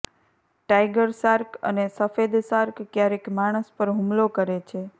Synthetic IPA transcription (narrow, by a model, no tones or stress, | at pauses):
ʈajɡəɾsaɾkə̰nesəfed̪saɾkːjaɾekmaɽ̃əspəɾɦũmlokəɾet͡ʃʰe